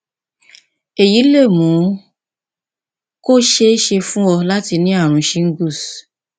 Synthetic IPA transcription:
e˨ji˨˦le˦˨mũ˨˦ | ko˦ʃe˧˦ʃe˧fũ˦wɔ˧la˦ti˧nĩ˦a˦˨ɾ̃ũ˧ʃi˧˦ŋ̩˦ɡu˦˨s

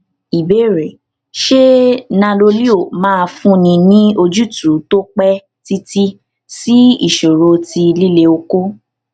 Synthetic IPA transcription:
i˨be˨˦˨ɾɛ˨ | ʃe˦nã˧lo˧li˦o˦˨mãː˦˧fũ˦nĩ˧nĩ˦o˧d͡ʒu˦tu˨˦to˦k͡pɛ˦ | ti˦ti˦ | si˦ḭ˦˨ʃo˨ɾo˧ti˧li˦le˧o˧ko˦

